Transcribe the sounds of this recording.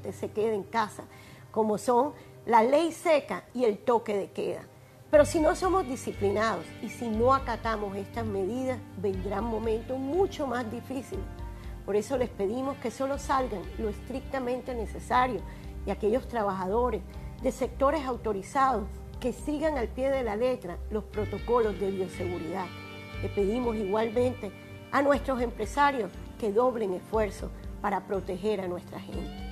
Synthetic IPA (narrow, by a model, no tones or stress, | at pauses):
t̪e̞se̞ke̞ðeŋkasa | ko̞mo̞so̞ŋ | lale̞jse̞kaie̞lt̪o̞ke̞ðe̞ke̞̰ða̰ | pe̞ɾo̞sino̞so̞mozd̪isiplinað̞o̞sisino̞akat̪amo̞se̞st̪azme̞ðiðasβẽ̞nd̪ɾaŋmõmẽnt̪o̞smũt͡ʃo̞mazd̪ifisilpo̞ɾe̞so̞le̞spe̞ðimo̞ske̞so̞lo̞salɡaŋlo̞est̪ɾik̚t̪amẽ̞nt̪e̞ne̞se̞saɾjo̞ | iake̞ʎo̞st̪ɾaβaxað̞o̞ɾe̞zðe̞se̞k̚t̪o̞ɾe̞sawt̪o̞ɾisað̞o̞s | ke̞siɣaŋalpje̞ðe̞lale̞t̪ɾalo̞spɾo̞t̪o̞ko̞lo̞zðe̞βjo̞se̞ɣuɾiðað | le̞pe̞ðimo̞siɣwalmẽ̞nt̪e̞ | anwe̞st̪ɾo̞se̞mpɾe̞saɾjo̞ske̞ðo̞βle̞ŋe̞sfwe̞ɾso̞̰spaɾapɾo̞t̪e̞xe̞ɾanwe̞st̪ɾaxe̞̰nt̪e